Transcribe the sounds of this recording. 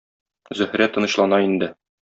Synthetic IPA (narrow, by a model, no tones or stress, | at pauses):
zɵ̆hɾæt̪ːɤ̆nɤ̆ɕlˠɑnɑind̪ɘ